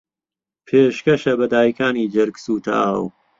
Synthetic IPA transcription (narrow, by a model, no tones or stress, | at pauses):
pʰeːʃkɐʃɐbɐd̪aːjkʰaːniːd͡ʒɐɾɡsuːt̪ʰa̰ːw